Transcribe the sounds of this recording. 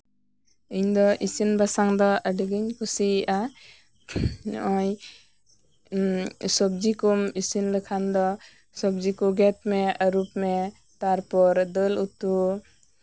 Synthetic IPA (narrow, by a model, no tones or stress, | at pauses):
ɯjɲdɔʔisinbasaŋd̪ɔədɯɡɯnkʰusia | ɔj | sɔb̚d͡ʒikumisinlɯkʰandɔ | sɔb̚zikuɡet̚meaɾup̚me | taɾpɔɾdɯlutu